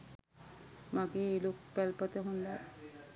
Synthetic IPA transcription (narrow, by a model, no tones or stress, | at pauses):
maɡeelok̚pɛlpət̪eɦund̪a